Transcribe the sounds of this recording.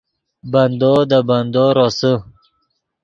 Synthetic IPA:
band̪ɔd̪aband̪ɔɾɔsə

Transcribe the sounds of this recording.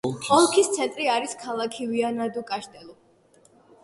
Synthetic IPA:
ɔlˠkʰist̪sʰɛnt̪ʼɾiaɾiskʰalˠakʰivianad̪ukʼaʃt̪ʼɛlˠu

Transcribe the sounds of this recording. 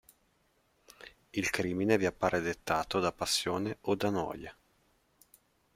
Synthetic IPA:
ilkɾiːmineviapːaːɾed̪et̪ːaːt̪od̪apasːjoːneod̪anɔ̰ːje

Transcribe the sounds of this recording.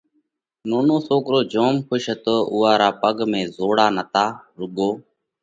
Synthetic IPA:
noːnoːsoːkɾoːd͡ʒoːmkʰʊʃət̪oːʔʊːaːɾaːpəɡmẽːzoːɽaːnət̪aːɾʊɠoː

